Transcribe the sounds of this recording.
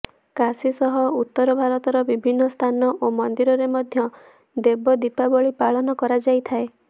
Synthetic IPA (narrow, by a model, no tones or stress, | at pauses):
kasisɔɦɔut̪ːɔɾɔbʱaɾɔt̪ɔɾɔbibʱinːɔst̪ʰanɔʔomɔnd̪iɾɔɾemɔd̪ʱjɔ | d̪ebɔd̪ipabɔɭipaɭɔnɔkɔɾad͡ʒajt̪ʰae